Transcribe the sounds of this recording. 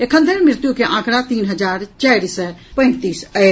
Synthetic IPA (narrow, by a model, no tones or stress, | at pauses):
ekʰə̃nd̪ʱənmɪɾt̪jukeʔãːkɽat̪iːnɦəd͡ʒaːɾt͡ʃɛːɾisɛpə̃ɪ̃nt̪iːsə